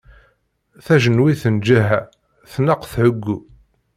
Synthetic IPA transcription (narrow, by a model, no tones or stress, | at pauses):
θæʒənwiθənd͡ʒæɦæ | θnəqθʕʊɡːu